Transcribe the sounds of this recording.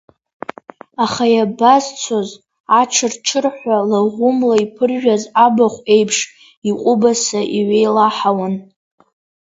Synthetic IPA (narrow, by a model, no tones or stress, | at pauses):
aχajabazt͡sʷʰoz | aʈ͡ʂʰɨrʈ͡ʂʰɨrħʷalaʁʷʊmlaipʰɨrʒᶣazabaχʷe̞jpʰʂ | iqʷʼʊbasaʔiɥʷejlaħawan